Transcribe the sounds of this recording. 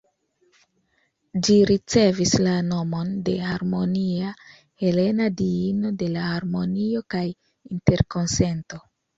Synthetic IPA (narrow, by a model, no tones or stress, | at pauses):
d͡ʒiɾit͡se̞vislano̞mo̞nde̞haɾmo̞nia | he̞le̞nadiino̞de̞lahaɾmo̞nio̞kaj | inte̞ɾkonse̞nto̞